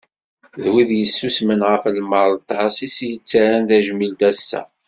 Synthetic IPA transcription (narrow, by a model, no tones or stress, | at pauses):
ðwiðjəsːusmənʁəflməɾˤt̪ːɑsisjət͡sːæɾænðæʒmilt̪æsːæ̰